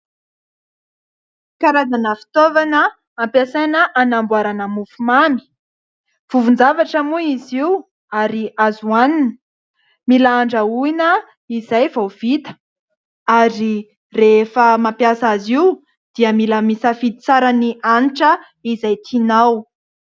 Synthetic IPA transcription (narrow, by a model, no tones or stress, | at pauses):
kaɾazanəfi̥t̪ovanə | ampasanəʔanambuaɾanəmufumami̥ | v̥uvund͡zavaʈ͡ʂamuiziw | aɾiazuanini̥ | milaaɳɖ͡ʐəuinə | izajvawv̥it̪ə̥ | aɾi | refəmampjasaziw | d̪̥iəmilamisəfid̪i̥t͡saɾənianiʈ͡ʂə | izajt̪ʰinaw